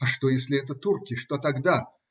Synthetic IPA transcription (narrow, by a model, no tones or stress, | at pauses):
ɐʂt̪ojesʲlʲɪɛt̪ət̪urkʲɪʂt̪ot̪aɡd̪a